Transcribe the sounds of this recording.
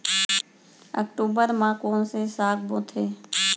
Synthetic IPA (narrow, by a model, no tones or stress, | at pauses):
ə̰kʈuːbəɾmãːkoːnsesaːkʰboːt̪ʰeː